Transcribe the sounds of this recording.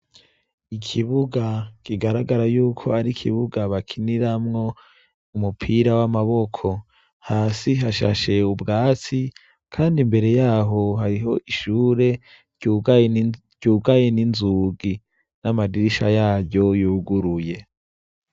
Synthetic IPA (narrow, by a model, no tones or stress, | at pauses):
ikʰiβuɡakʰiɡaɾaɡaɾajuːkʰo̞aɾikʰiβuɡaβakʰiniɾamŋo̞ | umupʰiɾawamaβo̞kʰo̞ | haːsiɦaʃa̰ʃe̞ubɡaːt͡si | kʰaːndimbe̞ɾe̞jaːɦo̞ɦaɾiɦo̞ʔiʃuːɾe̞ | ɟu | ɟ̥uːɡajeninzuɡi | namadiɾiʃajaːɟo̞juːɡuɾuje̞